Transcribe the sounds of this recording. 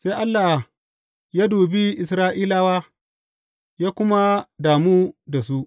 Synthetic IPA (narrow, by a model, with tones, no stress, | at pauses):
se˦ʔa˦lːa˨h | jaː˦duː˨bi˦ʔɪ˨sɾaː˦ʔiː˦laː˦waː˦ | jaː˦kʷʊ˦ma˦daː˨muː˦da˨s̬u˦ʔ